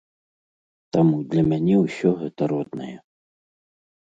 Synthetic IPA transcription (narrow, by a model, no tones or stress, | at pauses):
t̪amud̪lʲɐmʲanʲɛwsʲɔɣɛt̪ɐɾɔd̪̚nɐ̰jɛ